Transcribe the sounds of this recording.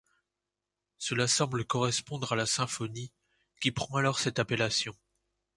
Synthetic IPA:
səlasɑ̃bləkɔʁɛspɔ̃d̪ʁalasɛ̃fɔni | kʲipχɑ̃alɔʁsɛt̪apelasjɔ̃

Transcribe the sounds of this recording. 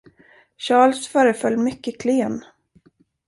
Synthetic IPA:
ɕɑːlsfœːɾəfœlːmʏkːəkʰleːn

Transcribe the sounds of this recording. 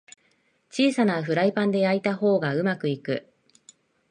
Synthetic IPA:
t͡ɕiːsanaɸɯ̟ɾaipãnd̪e̞ait̪aɦo̞ːɡaɯ̟makɯ̟ikɯ̟̰

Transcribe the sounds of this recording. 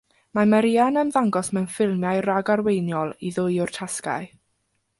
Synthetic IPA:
mamaɾiːanəmðaŋɡɔsmɛwnfɪlˠmjajraɡarwejnjɔlˠiðʊjʊr̥tʰaska̰ɨ

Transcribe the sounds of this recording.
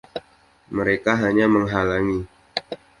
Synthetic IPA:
məɾekaɦaɲaməŋɦalaŋi

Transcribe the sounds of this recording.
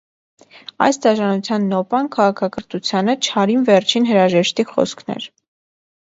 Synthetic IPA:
ɑ̰jst̪ɑʒɑnut͡sʰjɑnːɔpɑnkʰɑʁɑkʰɑkəɾt̪ut͡sʰjɑnət͡ʃʰhɑɾinvɛrt͡ʃʰinɦəɾɑʒɛʃt̪iχɔ̰skʰnɛ̰ɾ

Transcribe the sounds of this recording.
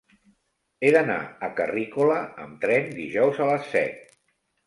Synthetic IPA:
eðəna̰əkərikuləəmt̪ɾɛnd̪iʒɔwzələsːɛ̰t̪̚

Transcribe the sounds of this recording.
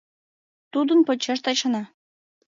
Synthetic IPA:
t̪ud̪ənpɤ̆t͡ɕeʃ̬t̪ɑt͡ɕɑnɑ

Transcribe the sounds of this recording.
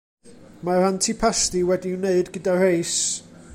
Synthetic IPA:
maɾantʰipʰastiwɛdiːneɨdɡədarejs

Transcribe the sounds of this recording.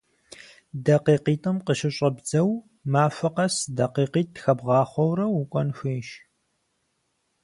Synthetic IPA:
dɐqiːqiːtʼʰɨmqəʃɪɕʼɐbzɐw | maːfɐqɐsdɐqiːqiːt̚ːxɐbʁɑːχʷɔwrɐwukʷʼɔnxʷeːʃ

